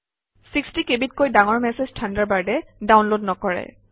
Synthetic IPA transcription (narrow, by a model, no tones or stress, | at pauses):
sikstikebit̚kojdaŋɔɹmɛseztʰandaɹbaɹdɛdawnlod̚nɔkɔɹɛ̰